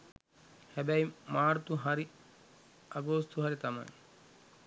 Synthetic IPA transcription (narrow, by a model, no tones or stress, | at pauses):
hɛbæjmaːɾt̪uɦaɾi | aɡoːst̪uɦaɾit̪ama̰j